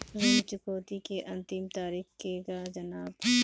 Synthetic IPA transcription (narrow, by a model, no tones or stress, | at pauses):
zomt͡ʃʊkoːt̪ikeʔɐ̃nt̪imt̪aːɾiːxkekad͡ʒɐnaːb